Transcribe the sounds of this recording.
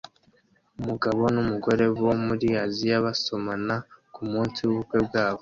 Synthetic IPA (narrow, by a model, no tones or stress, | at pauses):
umuɡaβo̞numuɡo̞ɾe̞βomuɾiazijaβaso̞manakumuːnsiwuβukwe̞bɡaːβo̞